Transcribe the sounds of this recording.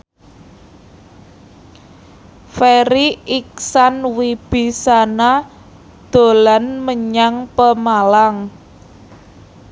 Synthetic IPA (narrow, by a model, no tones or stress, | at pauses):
feɾiik̚sanwib̥i̤sana | d̪̥o̤lanməɲaŋpəmalaŋ